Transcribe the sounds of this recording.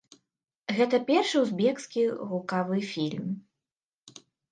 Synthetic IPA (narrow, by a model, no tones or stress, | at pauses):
ɣɛt̪ɐpʲɛrʂɨwzbʲɛkskʲiɣukavɨfʲilʲm